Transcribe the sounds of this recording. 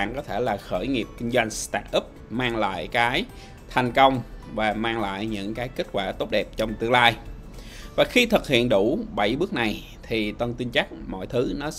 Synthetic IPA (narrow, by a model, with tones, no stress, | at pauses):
ŋkɔ˨˦t̪ʰe˧˩laː˨˩xəː˧˩jŋi˨˩əp̚kï˧ŋ̟zwa˧jŋ̟st̪aː˦˥t̚ʔə˦˥p̚maː˧ŋla̰ː˧˨jkaː˨˦j | t̪ʰa˨˩jŋ̟kə˧wŋ͡mvaː˨˩maː˧ŋla̰ː˧˨jɲɨ̰˧˥ŋkaː˨˦jkï˦˥k̟̚kwa̰ː˧˩t̪o˦˥p̚ɗɛ˨˩p̚t͡ɕɔ˧wŋ͡mt̪ɨ˧əŋlaː˧j | vaː˨˩xi˧t̪ʰɨ˨˩k̚hḭ˧˨ənɗu˧˩ɓə˧˩jɓɨ˦˥k̚na˨˩j | t̪ʰi˨˩t̪ə˧nt̪i˧nt͡ɕa˦˥k̚mɔ̰˧˨jt̪ʰɨ˨˦nɔ˨˦